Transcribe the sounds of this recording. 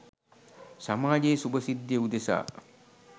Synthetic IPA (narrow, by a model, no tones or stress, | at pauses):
samaːd͡ʒeːsubɐsid̪ːjeud̪esa̰ː